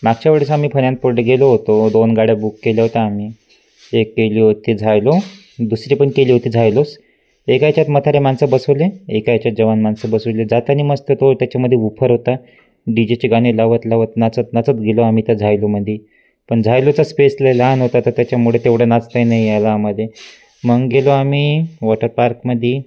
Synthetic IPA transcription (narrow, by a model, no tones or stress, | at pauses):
maɡt͡ɕaʋəɽsamiːpʰəɳjãnt̪̚puɾɖeɡeloɦot̪od̪onɡaɽjabukːeljaɦot̪aːmiː | ekːeliːɦot̪id͡zʱajlo | d̪usɾipəɳkeliːɦot̪iːd͡zʱajlos | ekajt͡ɕat̪mət̪ʰaɾemansəbəsəʋleekajt͡ɕjat̪̚d͡ʑəʋanmansəbəsəʋled͡zat̪janiməst̪et̪ot̪jat͡ɕaməd̪ʱːjeupʰəɾɦot̪a | ɖid͡ʑet͡ɕeɡaɽ̃elaʋət̪laʋət̪nat͡sət̪nat͡sət̪ɡeloamit̪ad͡zʱajloməd̪ʱːje | pəɳd͡zʱajlot͡saspesləlanɦot̪at̪ət̪jat͡ɕjamuɽet̪eʋɽenat͡st̪ajnajalaːməlje | məɡɡeloamiːʋɔʈəɾpaɾkməd̪ʱje